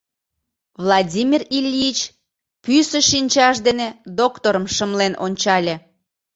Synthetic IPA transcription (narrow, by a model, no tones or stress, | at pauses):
vlˠɑdʲimʲirilʲːit͡ɕ | pysə̆ʃinʲt͡ɕɑʃd̪ened̪okt̪oɾəmʃəmlenʔonʲt͡ɕɑlʲe